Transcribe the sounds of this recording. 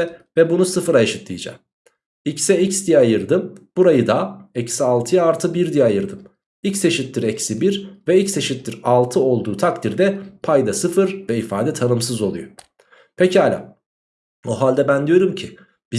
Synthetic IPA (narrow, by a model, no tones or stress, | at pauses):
ɛvɛbunusɯfɯɾaʃɯt̪lɯjd͡ʒa̰ | icsɛicsd̪ijajɯɾd̪ɯmb̥uɾajɯd̪aɛcsialˠt̪ʰɯjaaɾt̪ʰɯbiɾd̪ijajɯɾd̪ɯm | ilcse̞ʃit̪lːʲiɾɛcsibiɾvɛilcse̞ʃit̪lʲiɾalˠt̪ʰɯo̞lˠd̪uːt̪ʰakt̪ʰiɾd̪ɛpʰajd̪asɯfɯɾvɛifaːd̪ɛt̪ʰanɯmsɯzo̞lˠṵjo | pʰecʰialʲa̰ | o̞ɦalʲd̪ɛbænd̪ijo̞ɾumcʰi | b̥i